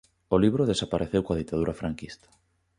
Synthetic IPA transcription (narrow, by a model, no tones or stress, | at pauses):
oliβɾoðesapaɾʔeθewkoaðit̪aðuɾʔɐfɾaŋkist̪ɐ̥